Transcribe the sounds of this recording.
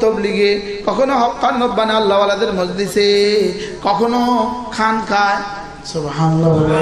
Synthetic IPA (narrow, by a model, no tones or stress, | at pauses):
t̪obliɡe | kɔkʰonoɦɔkːannot̪̚banealːawalad̪eɾmɔd͡ʒd̪ise | kɔkʰonokʰankʰaj | subɦanʌlalː